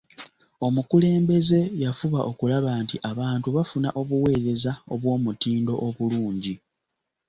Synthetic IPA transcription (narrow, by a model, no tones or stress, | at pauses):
o̞mukule̞ːmbe̞ze̞jafuβaʔo̞kulaβaːntiʔaβaːntuβafunaʔo̞βuwe̞ːɾe̞zaoβwo̞ːmutiːndo̞̰ʔoβuluːɲɟi